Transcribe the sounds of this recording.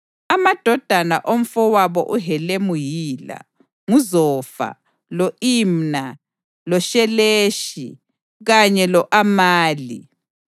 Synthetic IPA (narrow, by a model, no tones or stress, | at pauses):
amad̥ʱɔd̥ʱana̰ʔom̩fɔwaβɔ̰ʔuɦɛlemujiːla̰ | ŋuzɔfa̰ | loʔimna | lɔʃɛleːʃḭ | ɣaɲɛlɔʔamaːlḭ